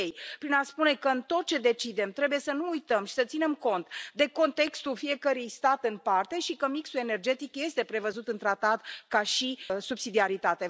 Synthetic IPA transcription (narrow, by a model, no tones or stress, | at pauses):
ejpɾinaspune̞kəɨnt̪o̞t̪̚t͡ʃe̞d̪e̞t͡ʃid̪e̞mt̪ɾe̞buje̞sənuujt̪əmʃi̥sət̪sine̞mko̞nt̪d̪e̞ko̞nt̪e̞kst̪ulfije̞kəɾijst̪at̪ɨnpart̪e̞ʃikəmiksue̞ne̞rd͡ʒe̞t̪ikje̞st̪e̞pɾe̞vəzut̪ɨnt̪ɾat̪at̪kaʃisubsid̪iaɾit̪at̪e̞